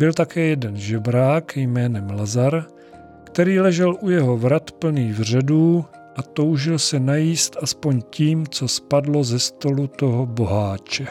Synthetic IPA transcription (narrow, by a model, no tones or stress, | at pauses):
bɪlt̪akɛːjɛdɛnʒɛbɾaːkjmɛːnɛmlazaɾ | kt̪ɛɾiːlɛʒɛlʔujɛɦo̞vɾat̪pl̩niːvr̝ɛduː | ʔat̪o̞wʒɪlsɛnajiːst̪ʔaspo̞ɲciːmt͡so̞spadlo̞zɛst̪o̞lut̪o̞ɦobo̞ɦaːt͡ʃɛ